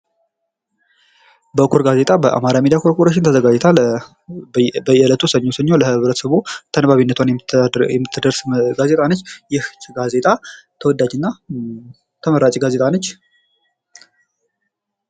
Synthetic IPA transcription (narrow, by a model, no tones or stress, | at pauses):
bəkʰːoɾɡaze̞t̪ʼabəʔa̰maɾamid̪ijakʰoɾkuɾaʃ̬ɪnt̪ʰəzəɡad͡ʒɛt̪ʰal | bəjɛlət̪ʰusəɲːo̞səɲːoləhɨβɾət̪ə̥səβut̪ʰənβaβinːət̪ʰwanjɛmːɨt̪ʰːɨd̪əɾsmɡaze̞t̪ʼanət͡ʃːjɪht̪ɡaze̞t̪ʼa | t̪ʰəwɔd̪ːad͡ʒɨnːa | t̪ʰəməɾat͡ʃʼiɡaze̞t̪ʼanət͡ʃː